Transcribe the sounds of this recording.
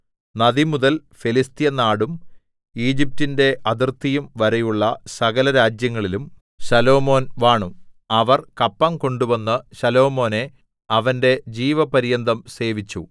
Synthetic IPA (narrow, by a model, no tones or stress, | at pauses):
nɐðimuðɐlfelist̪ijɐnaːɽum | iːd͡ʑip̚tinde̞ʔɐðirt̪ːijumʋɐɾɐjuɭːɐsɐɣɐlɐɾaːd͡ʑjɐŋːɐɭilum | ɕɐlo̞ːmo̞ːnʋaːɳu | ɐʋɐrkɐpːɐmko̞ɳɖuʋɐnːɨɕɐlo̞ːmo̞ːne̞ | ɐʋɐnde̞d͡ʑiːʋɐpɐɾijɐnd̪ʱɐmse̞ːʋit͡ɕːṵ